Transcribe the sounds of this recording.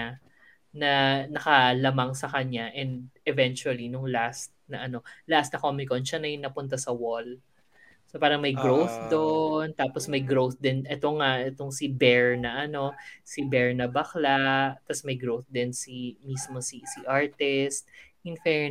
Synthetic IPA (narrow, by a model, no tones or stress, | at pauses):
a | nɐnɐkɐlɐmaŋsɐkɐɲaʔɛnd̪̚ɛvɛnt͡ʃuɐlinʊŋlast̪̚nɐʔɐno̞last̪nɐkomɪkonʃanɐjnɐpʊnt̪̬asɐwol | sopaːɾɐŋmɐjɡɹowθd̪ont̪aːposmɐjɡɾowθd̪ɪnʔɛt̪o̞ŋaʔɛt̪oŋsɪbɛɹnɐʔɐno̞sɪbɛɹnɐbɐklaʔt̪ɐsmɐjɡɹowθd̪ɪnsimiːsmo̞sisiʔaɹt̪ɪst̪̚ʔɪnfɛɹ